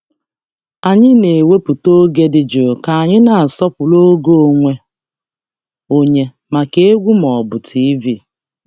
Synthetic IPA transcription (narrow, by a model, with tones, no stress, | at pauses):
a˨ɲɪ˦ne˨we˦pu˨to˦ɡe˦dɪ˨d͡ʒo˨ka˨a˨ɲɪ˦na˨a˨sɔ˦pʊ˨lo˦ɡo˦o˨ŋʷe˦ | o˦ɲe˦ | ma˨ke˦e˦ɡʷu˦mɔ˨bʊ˨tʰi˦vi˦˨